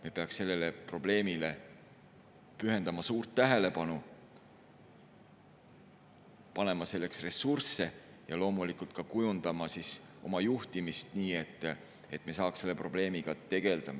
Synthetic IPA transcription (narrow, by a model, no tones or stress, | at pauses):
mepe̞ɑkse̞lːe̞le̞pro̞b̥le̞ːmile̞ | pyɦe̞nd̪ɑmɑsuːrt̪ːæɦe̞le̞pɑnu | pɑne̞mɑse̞lːe̞ksre̞surse̞ | jɑlo̞ːmulikult̪̚kɑkujund̪̥ɑmɑsis | o̞mɑjuht̪imist̪niːe̞t̪ˑː | e̞t̪ːˑme̞sɑːkse̞lːe̞pro̞b̥le̞ːmiɡ̥ɑt̪e̞ɡ̥e̞ld̪̥ɑmɑ